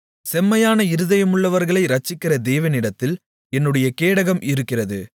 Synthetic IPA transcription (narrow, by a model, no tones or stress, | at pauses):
sɛmːɐjaːnɐɪɾɯðɐjɐmɯɭːɐʋɐɾɣɐɭɐɪɾɐt͡ʃːɪkːɪrɐd̪eːʋɐnɪɽɐt̪ːɪl | ɛnːɯɽɐjɐkeːɽɐɣɐmɪɾɯkːɪrɐðɯ